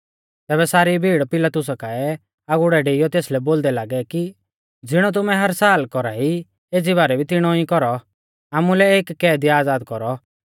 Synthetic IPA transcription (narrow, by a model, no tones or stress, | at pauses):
t̪ɛːbɛsaːɾibʱiːɽpɪlat̪ʊs̬akaɛ | aɡʊɽɛɖeːɪjɔt̪eːslɛboːld̪ɛlaːɡɛki | d͡zɪɽ̃ɔt̪̬ʊmɛɦɐɾsaːlkɔɾaɦi | eːd͡ziβaːɾɛbʱit̪ɪɽ̃ɔĩkɔɾɔ | aːmulɛeːkːɛːd̪iaːd͡zaːd̪kɔɾɔ